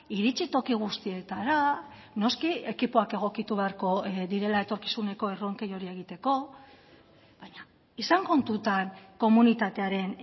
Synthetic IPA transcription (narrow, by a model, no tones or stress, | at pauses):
iɾit͡sit̪o̞kiɣ̞ust̪ie̞t̪aɾa | no̞skie̞kipoake̞ɣ̞o̞kit̪uβe̞aɾko̞ðiɾe̞lae̞t̪o̞ɾki̥sune̞ko̞e̞ro̞ŋke̞jo̞ɾie̞ɣ̞it̪e̞ko̞ | βaɲa | isaŋko̞nt̪ut̪anko̞munit̪at̪e̞aɾe̞n